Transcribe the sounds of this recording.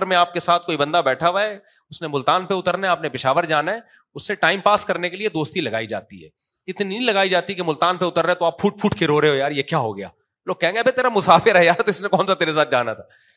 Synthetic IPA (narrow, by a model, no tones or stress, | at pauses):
əɾmẽaːp̚kesaːt̪ʰkoːibɐ̃nd̪abɛːʈʰaʋae | ʊsnemʊlt̪aːnpeʊt̪əɾnaɛaːpnepɪʃaːʋəɾd͡ʒaːnaɦɛː | ʊsːeʈaːɪmpaːskɐɾnekelied̪oːst̪ilɐɡaːid͡ʒa̰ːt̪ḭɦɛ̰ː | ɪt̪nilɐɡaːid͡ʒaːt̪ikemʊlt̪aːnpeʊt̪əɾnɛt̪oaːppʰuːʈ̚pʰuːʈʰkeɾoɾeɦojaːɾjekjaːɦoɡɐja̰ː | loːɡ̚kɛɦẽːɡeɐbʱet̪eːɾamʊsaːfɪɾɦɛjaːɾt̪oɪsnẽkɔːnsat̪eːɾes̬aːt̪̚d͡ʒaːnat̪ʰaː